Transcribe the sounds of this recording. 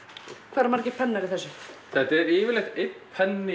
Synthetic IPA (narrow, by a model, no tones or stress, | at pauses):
kʰvaːɾamaɾcɪ̥pʰɛnːaɾɪθɛsːʏθɛt̪ɛɾiːvɪɾlɛxt̪ɪphɛnːɪ